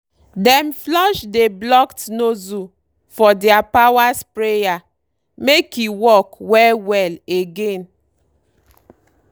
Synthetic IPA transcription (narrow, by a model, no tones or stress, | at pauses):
dɛ̃mflɔʃdeblɔktnozu | fɔdɛapawaspɹeja | mekiwɔkwɛlwɛleɡẽn